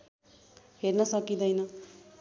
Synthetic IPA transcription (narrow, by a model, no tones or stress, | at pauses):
ɦernʌsʌkid̪ʌjnʌ